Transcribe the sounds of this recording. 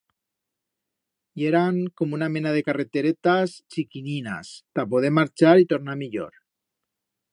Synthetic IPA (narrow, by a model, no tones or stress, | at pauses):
jeɾaŋkomunamenað̞ekaret̪eɾet̪ast͡ʃikinina̰st̪ap̬oð̞eɾmaɾt͡ʃaɾit̪oɾnamiʎo̰ɾ